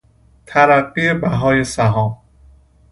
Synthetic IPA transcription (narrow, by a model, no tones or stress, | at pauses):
t̪ʰæɾæɢːie̞bæɦɒːje̞sæɦɒːm